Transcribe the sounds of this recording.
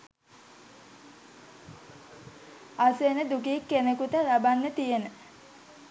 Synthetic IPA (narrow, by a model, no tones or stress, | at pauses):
asenəd̪ukikːenekut̪əlabanːət̪ijenə